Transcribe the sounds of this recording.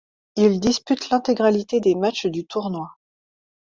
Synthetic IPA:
ild̪ispyt̪lɛ̃t̪eɡʁalit̪ed̪ematt͡ʃd̪yt̪uʁnwa

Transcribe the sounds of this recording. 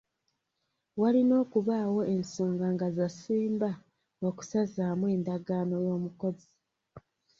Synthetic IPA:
walino̞ːkuβaːwo̞e̞nsoːŋɡaŋɡazasiːmba | oku̥sazaːmwe̞ːndaɡaːno̞jo̞ːmuko̞zi

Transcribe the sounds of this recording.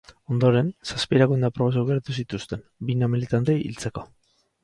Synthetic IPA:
o̞nd̪o̞ɾe̞nsaspiɾaɣund̪apɾo̞βasawɣeɾat̪usit̪ust̪e̞nbinamilit̪ant̪e̞jḭlt͡se̞ko̞

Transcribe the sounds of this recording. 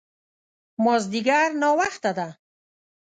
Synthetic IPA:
mɔzd̪iɡaɾnɔwaχt̪ad̪a

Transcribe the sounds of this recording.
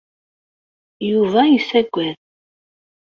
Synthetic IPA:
juvaisæɡʷæð

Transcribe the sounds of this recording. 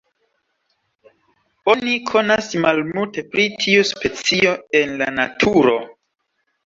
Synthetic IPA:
o̞nikʰo̞nasmalmulte̞pɾitʰiuspe̞t͡sio̞e̞nla̰natʰuɾo̞

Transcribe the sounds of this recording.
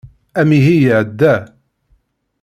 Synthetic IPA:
æmiɦijʕəd̪ːæ

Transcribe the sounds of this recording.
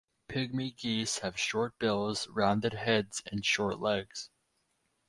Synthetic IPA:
pʰɪɡ̚miɡishɨv̥ʃɔɹt̚b̥ɪlˠz̥ɹãʊ̃ndɨd̚hɛdz̥ɨ̃nʃɔɹʔˡlɛɡz̥

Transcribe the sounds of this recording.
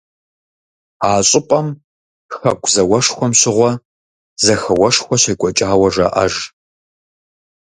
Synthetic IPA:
aːɕʼɪpʼɐm | xɐkʷʰʼzɐwɐʂxʷɔmɕɪʁʷɔ | zɐxɐwɐʂxʷɔɕɐjkʷʼɔt͡ʃʼaːwɐʒɐ̰ʔɐ̰ʒ

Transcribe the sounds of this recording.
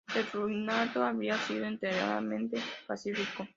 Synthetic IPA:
erujnat̪oaβiasiðoint̪eɾja̰ða̰mẽnt̪epasifiko

